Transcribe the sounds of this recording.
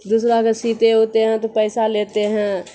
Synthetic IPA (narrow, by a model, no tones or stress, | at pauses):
d̪uːsɾakasiːt̪eɦoːt̪eɦɛ̃t̪opɛɪsaleːt̪eɦɛ̃